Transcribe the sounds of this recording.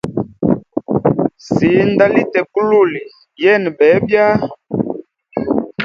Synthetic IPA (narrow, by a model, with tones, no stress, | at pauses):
si˨˦nda˦li˦tɛ˨ku˦lu˦˨li˨ | jɛ˦˨n˨bɛ˨˦bja˦